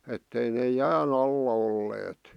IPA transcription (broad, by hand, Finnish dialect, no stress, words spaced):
etːei neː jæːn ɑlːɑ olːeːt